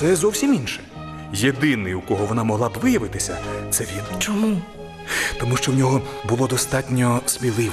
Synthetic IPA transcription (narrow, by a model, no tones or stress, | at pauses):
sɛzɔwsʲiminʃɛ̥ | jed̪ɪnɪjukɔɦɔʋɔnɑmɔɦlˠɑbʋɪjɐʋɪt̪ɪsʲɐt̪sɛʋʲirnɛt͡ʃɔmu | t̪ɔmuʃt͡ʃɔwnʲɔɦɔbʊlˠɔd̪ɔst̪ɑtʲnʲɔspʲilˠɪʋ